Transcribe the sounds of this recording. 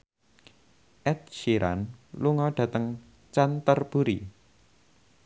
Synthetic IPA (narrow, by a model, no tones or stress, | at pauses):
ʔɛt̪̚ʃiɾʔa̰nluŋɔɖ̥ä̤t̪əŋ | t͡ʃant̪ərb̥uɾi